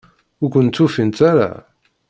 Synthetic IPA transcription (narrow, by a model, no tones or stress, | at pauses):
ʊɾkʷənt̪ːufint̪aɾa̰